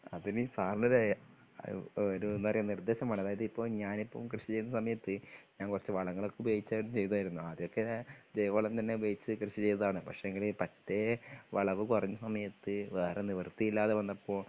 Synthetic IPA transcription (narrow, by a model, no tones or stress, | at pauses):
ɐðinɨsaːrɳɐɾe | oɾuenːuɐrijɐnird̪e̞ːɕɐmaːɳɨɐðaːjɐðɨipːo̞ːɭɲaːnipːɐ̰ːkrɨɕit͡ɕejunːɐsɐmɐjɐt̪ːɨɲaːnkurɐt͡ɕːɨʋɐɭɐŋːɐɭokːebeːit͡ɕːaːmt͡ɕe̞jt̪uaːjiɾunːuɐðijo̞kːed͡ʑejɐkoːɭɐmt̪ɐnːe̞beːit͡ɕːɨkrɨɕit͡ɕe̞jt̪ɐðaːɳɨpɐkʂeeŋɡilepɐtːeʋɐɭɐʋɨkurɐɲːɐsɐmɐjɐt̪ːɨʋeːreniʋɐrt̪ːijilːaːðeʋɐnːɐpːo̞ː